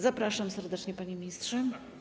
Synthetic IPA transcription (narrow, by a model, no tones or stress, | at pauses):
zapɾaʂamsɛɾd̪ɛt͡ʂɲɛpaɲemʲɲistʂɛ